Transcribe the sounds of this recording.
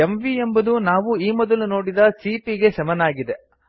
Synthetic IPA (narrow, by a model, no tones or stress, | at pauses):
emʋiembɐd̪unaːʋuiːmɔd̪ɐluno̞ːɽid̪ɐsiːpiɡe̞sɐmɐnaːɡid̪e̞